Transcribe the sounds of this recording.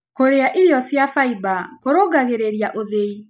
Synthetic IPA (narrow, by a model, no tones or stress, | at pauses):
koɾeaʔiɾɔsjafaibakoɾoɡaɣeɾeɾijaʔoðei